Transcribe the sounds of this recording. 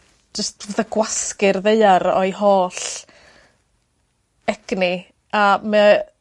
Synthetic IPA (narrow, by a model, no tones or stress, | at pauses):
d͡ʒəstvəðəɡwaskɪrðeɨaɾɔ̰jɦoːɬ | ɛɡ̥ni | amə